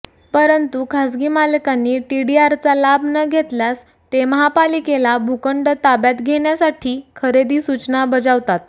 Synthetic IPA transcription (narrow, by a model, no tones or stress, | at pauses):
pəɾənt̪ukʰasɡiːmalkanːiːʈiɖiaɾt͡salabʱnəɡʱet̪ljas | t̪eməɦapalikelabʱukəɳɖət̪abjat̪ɡʱeɳjasaʈʰiːkʰəɾed̪iːsut͡ɕnabəd͡zaʋt̪at̪